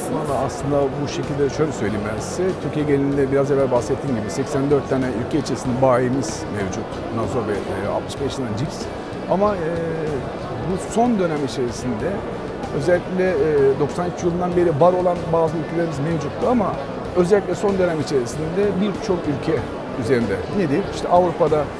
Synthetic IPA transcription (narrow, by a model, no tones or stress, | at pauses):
slˠɯnad̪aːslˠɯnd̪abuʃe̞cʰilʲd̪ɛʃø̞jlʲɛsø̞jlʲijimbænsi̥sɛt̪ʰyɾcʰijɛɟelʲinind̪ɛbiɾazevælʲbaxset̪ʰːiːmɟibisɛcsænd̪øɾt̪ʰːaːnɛylʲcʰɛit͡ʃʰeisind̪ɛbaːemiz̥mevd͡ʒut̪ | nasoɾvɛa̰t̪mɯ̥ʃbɛʃlʲenand͡ʒips | amaɛ | buso̞nd̪ø̞nɛmit͡ʃʰe̞ɾisind̪ɛ | ø̞zɛlʲːicʲlʲɛd̪o̞ksanyt͡ʃjilˠɯnd̪anbe̞ɾivaɾo̞lˠanbaːzɯylʲcʰelʲeɾimizmevd͡ʒut̪ːuama | øzɛlʲːic̬ʲlʲɛso̞nd̪ø̞nɛmit͡ʃʰe̞ɾisind̪ɛbiɾt͡ʃʰo̞kylʲcʰɛ | yzeɾind̪ɛned̪ilʲiʃt̪ʰɛʔavɾupad̪a